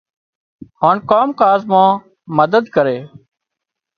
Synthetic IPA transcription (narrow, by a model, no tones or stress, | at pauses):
haːnkaːmkaːzmãː | məd̪əd̪kəɾeː